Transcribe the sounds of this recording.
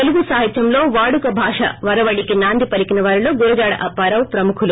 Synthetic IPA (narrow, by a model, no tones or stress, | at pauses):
t̪eluɡusaːɦɐt̪jɐmlo̞ːʋaːɽukɐbʱaːʂɐ̰ʋɐɾɐʋɐɽikinaːnd̪ʱipɐlikinɐʋaːɾilo̞ːɡuɾɐd͡ʒaːɽɐ̰ʔɐpːaːɾɐwpɾɐmukʰulu